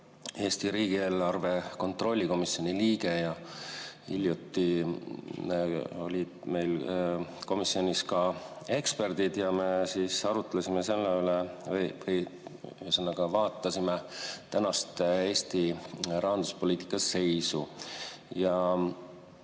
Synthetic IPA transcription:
e̞ːst̪iɾiːɡ̥ie̞ːlːɑrve̞ko̞nt̪ro̞lʲːiko̞misːjoniliːɡe̞jɑ | hḭlʲjut̪ːi | o̞̰lʲid̪̥me̞jl | ko̞misːio̞niskɑ | e̞kspe̞rd̪id̪jɑme̞siːsɑɾut̪ːˑlesimese̞lːeylevɤjvɤj | senːɑɡ̥ɑvɑːt̪ːˑɑsimet̪ænɑst̪e̞ːst̪irʔɑɦɑnd̪̥uspo̞lʲiːt̪ˑi̥kːˑɑsːe̞jsu | jɑ

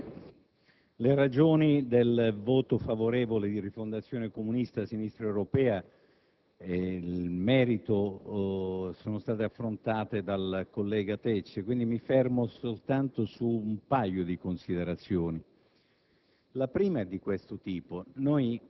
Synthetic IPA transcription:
leɾad͡ʒoːnid̪elvoːt̪ofavoɾɛːvoled̪irifond̪at̪sːjoːnekomunist̪asinist̪ɾewɾopɛːa | eilmɛːɾit̪o | soːnost̪aːt̪eafːɾont̪aːt̪ed̪alkolːɛːɡat̪ɛt͡ʃːekwind̪imifɛrmosolt̪ant̪osuumpajːod̪ikonsid̪eɾat̪sːjoːni | lapɾiːmaɛd̪ikwest̪ot̪iːponoj

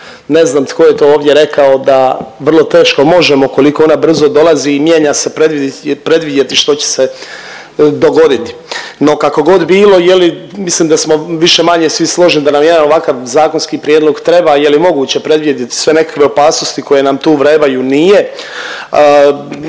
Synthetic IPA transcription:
ne̞znaːmt̪ko̞jet̪oːoːʋd̪ʲjeɾe̞kao̞d̪aʋr̩lˠo̞t̪e̞ːʃko̞mo̞ʒemoko̞liko̞o̞nabr̩zo̞d̪o̞lˠaziːmje̞ɲase̞pɾed̪ʋid̪pɾe̞d̪ʋid̪je̞t̪iʃt̪o̞t͡ɕe̥se | d̪o̞ɡo̞d̪it̪i̥no̞kako̞ɡo̞d̪biːlo̞jelimislimd̪asmo̞ʋiʃe̞maɲe̞sʋislˠo̞ʒnid̪anamjed̪anoʋakaʋzaːko̞nskipɾjed̪lo̞ɡt̪ɾe̞bajelimo̞ɡuːt͡ɕe̞pɾe̞d̪ʋijed̪jet̪i̥sʋe̞ne̞kḁkʋe̞o̞paːsno̞st̪iko̞je̞namt̪uːʋɾe̞ːbajunije̞

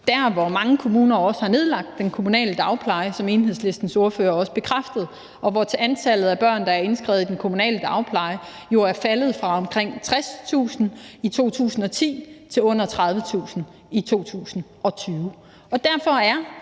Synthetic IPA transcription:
d̥æɐ̰ʋɒmɑ̈ŋəkʰo̝muːnɐɒ̽shɑ̈ne̝ð̞ˠlɑ̈ɡ̥̚d̥ːenkʰo̝munɛ̰ːləd̥ɑ̈ʊpʰlɑ̈ɪəsɒ̽me̝ːnɦeðˠsle̝sd̥n̩so̝ɐføːɐɒ̽sə̥b̥e̝kʰʁafd̥əð̩ˠ | ɒ̽ʋɒt͡sʰe̝ænt͡sʰælð̞̩ˠæb̥ɶɐ̰nd̥ɑ̈æɐe̝nsɡ̥ʁɛ̰ːð̩ˠdenkʰo̝munɛ̰ːləd̥ɑ̈ʊpʰlɑ̈ɪə | jo̝æɐfælð̞̩ˠfʁɑ̈ɒ̽mkʰʁeŋ̰t͡sʰʁast͡sʰṵːsn̩it͡sʰo̝̰ːt͡sʰṵːsn̩ɒ̽t͡sʰḭːt͡sʰe̝lɔ̽n̰ɐt͡sʰʁɑ̈ðˠʋət͡sʰṵːsn̩ | it͡sʰo̝̰ːt͡sʰṵːsn̩ | ɒ̽t͡sʰyːʊ | ɒ̽d̥æɐfɒ̽æɐ

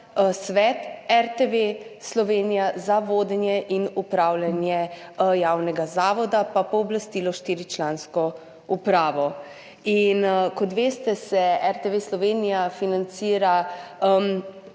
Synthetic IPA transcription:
sʋɛt̪ɛɾt̪eʋeslɔʋenijazaʋoːd̪ɛnjɛʔinupɾaːwlanjɛ | jawnɛɡazaːʋɔd̪apapɔːblast̪iːlɔʃt̪iːɾit͡ʃlaːnskɔ | upɾaːʋɔ | inkɔt̪ʋeːst̪ɛsɛɛɾt̪eʋeslɔʋeːnijafinant̪siːɾam

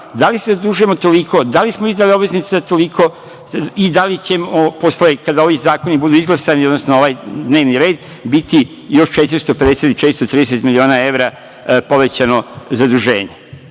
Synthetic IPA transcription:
d̪alisezad̪ɾuʒuemot̪o̞liko̞d̪alismoizd̪aliobʋeznit̪set̪olikʰo̞ | id̪alit͡ɕe̞moposlekad̪ao̞ʋizaːkonibud̪uizɡlasaniod̪nosnooʋaːjd̪neːʋniɾe̞ːd̪ | bit̪i | jo̞ʃt͡ʃe̞t̪iɾist̪ope̞d̪eset̪it͡ʃet̪ɾist̪ot̪ɾiːd̪eset̪milio̞ːnae̞ʋɾa | po̞ʋe̞t͡ɕano̞zad̪uʒe̞̰ːɲe̞

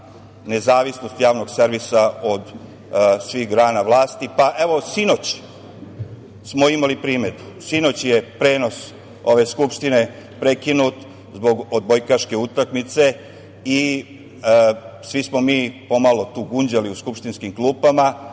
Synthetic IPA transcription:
ne̞zaːʋisno̞st̪jaːʋno̞ɡseɾʋisao̞d̪ | sʋiɣɡɾaːnaʋlˠaːst̪ipaʔeʋo̞sino̞t͡ɕ | smo̞imalipɾiːme̞d̪u̥ | sino̞t͡ɕje̞pɾe̞ːno̞s | o̞ʋe̞skupʃt̪ine̞ | pɾe̞kinut̪ | zbo̞ɡod̪̚bojkaʃke̞ut̪akmit̪se̞ | i | sʋismo̞miːpo̞malo̞t̪uːɡuɲd͡ʑaliuskupʃt̪inskimklˠuːpama

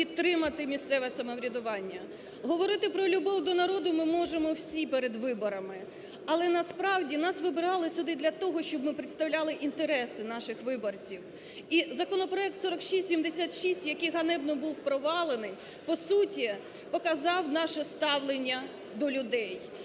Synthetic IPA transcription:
pʲit̪ːɾɪmɐt̪ɪmʲist̪sɛʋɛsɐmɔwɾʲɐd̪ʊʋɑnʲːɐ | ɦɔʋɔɾɪt̪ɪpɾɔlʲʊbɔwd̪ɔnɐɾɔd̪ʊmɪmɔʒemɔwsʲipeɾed̪ʋɪbɔɾɐmɪ | ɐlˠɛnɐspɾɑwdʲinɑsʋɪbɪɾɑlˠɪsʲʊd̪ɪd̪lʲɐt̪ɔɦɔʃt͡ʃɔbmɪpɾɪt̪st̪ɐwlʲɑlˠɪʔint̪eɾɛsɪnɑʃɪxʋɪbɔrt͡sʲiw | izɐkɔnɔpɾɔɛk̚t̪sɔɾɐkʃisʲsʲimd̪esʲat̪ʃisʲtʲjɐkɪjɦɐnɛbnɔbuwpɾɔʋɑlˠenɪj | pɔsutʲi | pɔkɐzɑwnɑʃɛst̪ɑwlˠenʲːɐ | d̪ɔlʲʊd̪ɛj

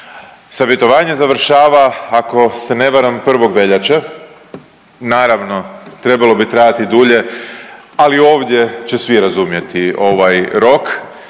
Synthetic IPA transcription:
saʋje̞t̪o̞ʋaːɲe̞zaʋr̩ʃaːʋaːko̞se̞ne̞ʋaɾampr̩ʋo̞ɡʋe̞ʎat͡ɕa | naːɾaʋno̞t̪ɾe̞balˠo̞bit̪ɾaːjat̪id̪uʎe̞ | alio̞ːʋd̪je̞t͡ɕe̞sʋijɾazumje̞t̪io̞ʋajɾo̞k

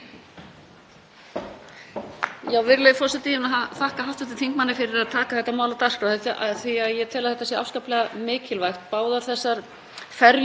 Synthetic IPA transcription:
jaːwvɪɾlejfɔsɪat̪ijɪnaɦaθahkaɦawft̪ɛht̪ɪθʰiŋkmanːɪfɪɾɪɾaðt̪ʰaːkaθɛht̪ːamaːwlat̪ar̥kaθɛt̪aθiaðjɛt̪ʰɪːlaðθɛht̪ːasjɛʔa̰fskaːplɛɣamɪːcɪlvajxt̪paːwðaθɛsːaɾ | fɛɾ

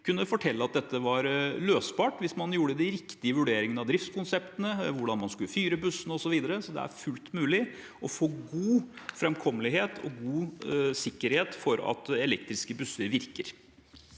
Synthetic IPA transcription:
kʰʉnːəfɔʈʰɛlːəɑt̪̚d̪ɛt̪ːəʋɑɾløːsbɑːʈʋɪsmɑnjuːɽəd̪ɪɾɪkt̪ɪəʋʉɖeːɾɪŋənɑʋd̪ɾɪft̪skʰʊnsɛpt̪ənəʋʊɖɑnmɑnskʉlːəfyːɾəbʉsːənəɔsɔʋiːd̪əɾəsɔd̪ɛ̰æ̰ɾfʉlt̪mʉːlɪ | ʔɔfoːɡuːfɾɛmkʰɔmːəlɪɦeːt̪ʰɔ̰ɡuːsɪkːəɾheːt̪fɔɾɑ̰t̪ɛlɛk̚t̪ɾɪskəbʉsːəɾʋɪɾkəɾ

